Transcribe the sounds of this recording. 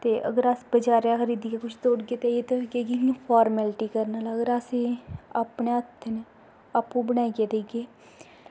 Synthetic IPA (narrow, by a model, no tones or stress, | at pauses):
t̪eːʔə̰ɡəɾaːsbəd͡ʒaːɾeaːxəɾiːd̪iːkeːkʊt͡ʃʰt̪oːɽɡeːt̪ejeːt̪oɡeːɡikĩpʰɔːɾmɛlʈiːkəɾnaːlaəɡəɾaːseːaːpɳeət̪ʰn | aːpːũːbəɽ̃aːiɡeːd̪eːɡeː